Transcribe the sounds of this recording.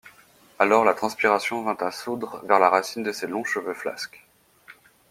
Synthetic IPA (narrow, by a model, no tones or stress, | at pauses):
alɔʁlat̪χɑ̃spiʁasjɔ̃vɛ̃t̪asud̪ʁvɛʁlaʁasind̪əselɔ̃ʃəvøfla̰skʲ